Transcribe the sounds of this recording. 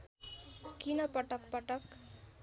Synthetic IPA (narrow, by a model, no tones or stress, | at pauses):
kinʌpʌʈʌkpʌʈʌk